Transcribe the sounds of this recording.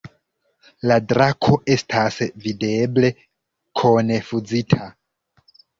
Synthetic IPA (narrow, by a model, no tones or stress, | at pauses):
ladɾakʰo̞e̞stʰasvide̞ble̞ | kʰone̞fud͡zitʰa